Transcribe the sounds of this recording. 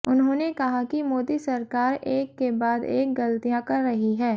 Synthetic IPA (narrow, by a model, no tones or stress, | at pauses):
ʊnɦõːnekɐɦakimoːd̪isɐɾkaːɾeːkːebaːd̪ḛːk̚ɡɐlt̪ijãkɐɾːɐɦiɦɛː